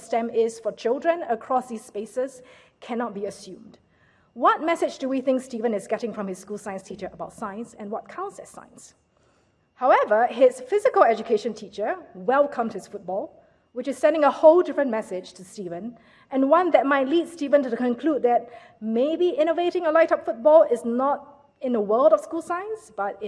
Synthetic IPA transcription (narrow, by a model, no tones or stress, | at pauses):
stɛ̃mɪz̥fɔt͡ʃʰɪlˠdɹə̃nəkʰɹ̥ɔsðispesəz | kʰɛnɔt̚b̥iəsjũmd | wɔt̚mɛsɪd͡ʒduwiθɪ̃ŋkstivə̃nɪzɡɛɾɪ̃ŋfɹɔ̃mhɪsskulˠsaɪə̃nstʰit͡ʃə˞ʔəbaʊtsãɪə̃nsɛ̃nwɔt̚kʰãʊsɛsã̰ɪ̃ns | haʊɛvəɪzfɪzɪkəlˠɛd͡ʒukʰeʃə̃ntʰit͡ʃə˞wɛlˠkʰə̃mʰɪsfʊt̚b̥ɔlˠ | wɪt͡ʃɪz̥sɛ̃ndɪ̃ŋəhoʊldɪfɹə̃nmɛsɪ̥d͡ʒtʰustivə̃n | ɛ̃nwʌ̃nðɛt̚maɪt̚ˡlidstivə̃ntukə̃nkʰl̥ud̚ðɛt̚ | meɪbiʔɪ̃noveɾɪ̃ŋəlaɪɾʌpfʊt̚bɔlɪznɔt | ɪ̃nðəwɜlˠdɔv̥skulˠsãɪə̃nsb̥ʌtɪ